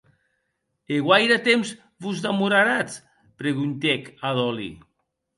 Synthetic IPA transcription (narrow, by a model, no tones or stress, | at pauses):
eɣwajɾat̪emz | βuzðamuɾaɾat͡s | pɾeɣunt̪ekaðɔlḭ